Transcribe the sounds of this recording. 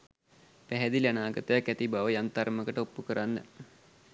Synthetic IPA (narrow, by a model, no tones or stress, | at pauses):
pæɦɛd̪ilanaːɡət̪əjakːæt̪ibaʋəjant̪arməkəʈəopːukəɾanːə̰